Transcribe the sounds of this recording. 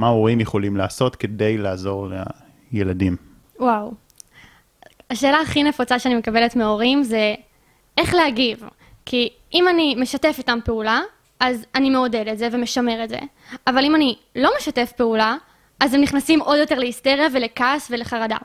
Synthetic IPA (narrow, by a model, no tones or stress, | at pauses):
maoʁimjeχo̞limlaːso̞tkede̞jlaːzo̞ʁlḛ | jeladim | waw | aʃe̞ːlaːχine̞fut͡saʃeanimekabe̞letmeoʁimze̞ | eχleaɡiv | kʰi | ʔimanimeʃate̞fitampeula | ʔazanimeode̞detzeveme̞ʃame̞ʁetzḛ | avalimani | lo̞meʃate̞fpeula | azemniχnasimʔo̞djo̞te̞leisteʁjavelekasveleχaʁada̰